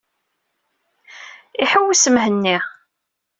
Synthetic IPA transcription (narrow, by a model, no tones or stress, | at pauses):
iħəwːisəmɦənːiʁ